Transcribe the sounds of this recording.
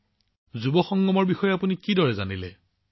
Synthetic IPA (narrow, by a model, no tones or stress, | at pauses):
zubɔxɔŋɡɔmɔɹbixɔjɔapunikidɔɹɛzanilɛ